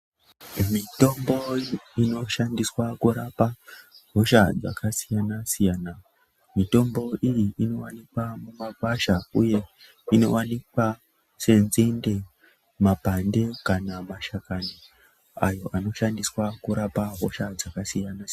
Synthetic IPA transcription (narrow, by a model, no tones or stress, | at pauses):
mito̞mbo̞ino̞ʃandiswakuɾapaɦo̞ʃad͡za̰kasijanasijaːna | mito̞mbo̞ijiino̞wanikwamumapaʃauje̞ | ino̞wanikwa | se̞nzende̞ | mapande̞kanamaʃakani | ajo̞ʔano̞ʃandiswakuɾapaɦo̰ʃad͡zakasijanas